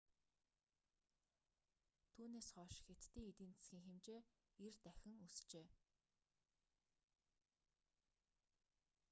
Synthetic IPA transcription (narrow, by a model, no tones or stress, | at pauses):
t̪ʰuːneːsχɔʃxet̪ːiːŋit̪iːnt͡sɘ̥sɡʲiːŋxemt͡ɕeː | ert̪æxʲɪ̆ŋust͡ɕeː